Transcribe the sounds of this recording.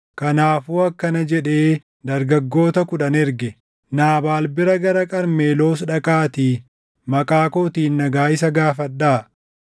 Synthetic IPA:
kɐnaːfuːɐkːɐnɐd͡ʒɛᶑe̞ː | d̪ɐɾɡɐɡːo̞ːt̪ɐkʊᶑɐnɛɾɡɛ | naːbaːlbɪɾɐɡɐɾɐkʼɐɾme̞ːlo̞ːs̬ᶑɐkʼaːt̪iː | mɐkʼaːkoːt̪iːnːɐɡaːɪsɐɡaːfɐɗːaː

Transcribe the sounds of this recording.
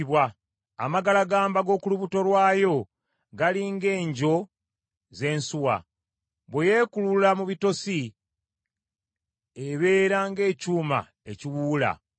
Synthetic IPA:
βwa̰ː | maɡalaɡaːmbaɡo̞ːkuluβuto̞lwaːjo̞ | ɡaliŋɡe̞ːɲɟo̞ | ze̞ːnsuwa̰ | βweje̞ːkululamuβito̞si | eβe̞ːɾaŋɡe̞ːcuːma̰ | e̞ciwuːla̰

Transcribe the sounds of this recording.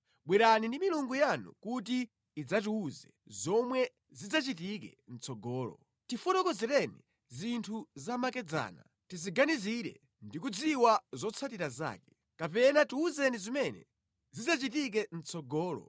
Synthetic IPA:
ɓwɛɾanindimiluŋɡujanṵkutiː | d͡zat̬iuzɛzɔmwɛ | zid͡zat͡ʃit̬ik̬ɛ̰n̩t͡sɔɡɔːlɔ̰ | tifɔtɔkɔzɛɾɛni | zintʰuzamakɛd͡za̰ːna̰ | tiziɡaniziɾɛ̰ | ndikud͡ziwazɔt͡sʰatiɾaza̰ːkɛ̥ | kapɛnatiuzɛnizimɛnɛ̰ | zid͡zat͡ʃit̬ik̬ɛn̩t͡sʰɔɡɔːlɔ̰

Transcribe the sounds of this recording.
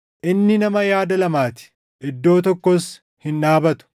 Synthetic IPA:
ʔɪnːɪnɐmɐjaːd̪ɐlɐmaːt̪ɪ̥ | ʔɪd̪ːo̞ːt̪̬ɔkːɔs | hɪnʔaːbɐt̪ʊ̥

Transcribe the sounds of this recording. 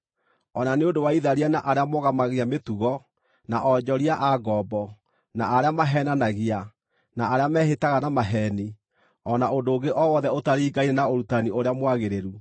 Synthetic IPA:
ɔnaneondowaiðaɾianaʔaɾeamoɣamaɣeametuɣɔ | naʔɔd͡ʒɔɾiaʔaɡɔbɔ | naːɾeamaɦɛnanaɣia | naːɾeamɛɦetaɣanamaɦɛni | ɔnaodoːɡeʔɔwɔðɛotaɾiːɡaiɾɛnaoɾutanioɾeamwaɣeɾeɾu

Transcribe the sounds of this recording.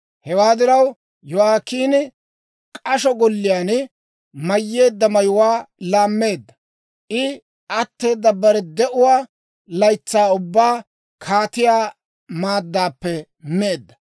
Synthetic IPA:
hɛwaːd̪ɪɾɐw | jɔwaːkiːnɪ | kʼɐʃɔɡɔlːɪjaːn | mɐjːe̞ːd̪ːɐmɐjʊwaːlaːmːe̞ːd̪ːɐ | ʔɪ | ʔɐt̪ːe̞ːd̪ːɐbɐɾɛd̪ɛʔʊwaː | lɐjt͡sːaːʊbːaː | kʰaːt̪ɪjaː | maːd̪ːaːpːɛ | meːd̪ːɐ̥

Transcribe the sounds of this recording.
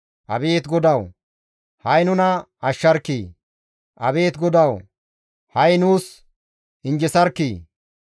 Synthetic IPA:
ʔɐbe̞ːt̪ɡɔd̪ɐw | hɐjnʊnɐ | ɐʃːɐɾkːiː | ʔɐbe̞ːt̪ɡɔd̪ɐw | hɐjnuːs | ɪnd͡ʒɛsɐɾkːiː

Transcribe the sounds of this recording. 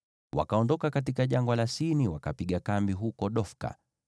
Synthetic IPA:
wa̰kaɔndɔkakat̬ikaʄaŋɡwalasiniwakapiɠakambiɦukɔɗɔfka̰

